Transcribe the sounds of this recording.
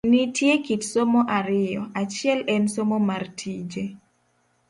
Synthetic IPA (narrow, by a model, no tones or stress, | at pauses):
nitjekitsomoʔaɾɪjɔat͡ʃɪɛlɛnsomomartʰid͡ʒe